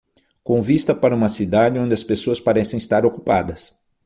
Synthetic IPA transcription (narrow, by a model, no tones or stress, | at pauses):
kõvist̪ɐpaɾɐũmɐsid̪ad͡ʒɪõnd͡ʒ̪ɪɐspesoɐspaɾɛsẽj̃ist̪aɾokupad̪ɐs